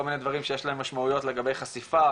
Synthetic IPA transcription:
olminedvaʁimʃejeʃlaemːaʃmaujo̞tle̞ɡabe̞jχasifa

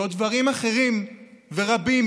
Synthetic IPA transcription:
od̪vaʁimaχe̞ʁimve̞ʁabim

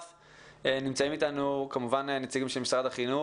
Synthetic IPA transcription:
f | enimt͡saimitanukamuvanenet͡siɡimʃelmisʁadaχinu

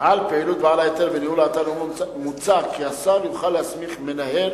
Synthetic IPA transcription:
ʔalpeilut̪̚baalaet̪elvenihulaːt̪alomamut͡sakiasaljuχalːeasmiχme̞nahe̞l

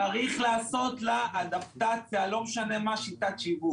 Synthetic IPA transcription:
aʁiχlaːso̞t̪laʔad̪aft̪at̪ʃealo̞meʃane̞maʃit̪at̪ʃivu

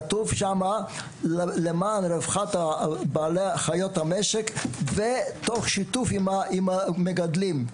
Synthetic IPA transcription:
t̪uvʃama | llemaːnɾevχat̪abaːleχajot̪hameʃekvet̪oχʃit̪ufimaimameɡad̪lim

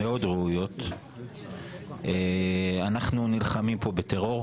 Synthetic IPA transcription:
eo̞d̪ʁeujo̞t̪ | eanaχnunilχamimpo̞bet̪e̞ʁo̞ʁ

